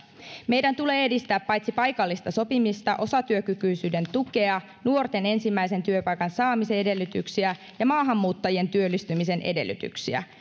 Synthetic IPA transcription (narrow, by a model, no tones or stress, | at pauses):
me̞jdænt̪ule̞ːe̞dist̪æːpːɑjt̪sipɑjkɑlːist̪ɑso̞pimist̪ɑʔo̞sɑt̪yøkykyjsyːde̞nt̪uke̞ɑ | nuo̞rt̪e̞ne̞nsimːæjse̞nt̪yøpɑjkɑnsɑːmise̞e̞de̞lːyt̪yksiæ | jɑmɑːɦɑmːuːt̪ːɑjie̞nt̪yølːist̪ymise̞nʔḛde̞̰lːˑy̰t̪y̰ksiæ̰